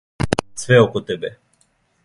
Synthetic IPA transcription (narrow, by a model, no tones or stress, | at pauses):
t̪svɛɔkɔt̪ɛbɛ